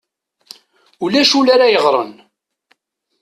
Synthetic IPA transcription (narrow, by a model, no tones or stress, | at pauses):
ulæʃulaɾajəʁɾˤə̰n